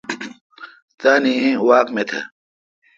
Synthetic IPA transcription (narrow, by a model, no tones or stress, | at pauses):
t̪aːnĩẽwaːkmet̪ʰɐ̰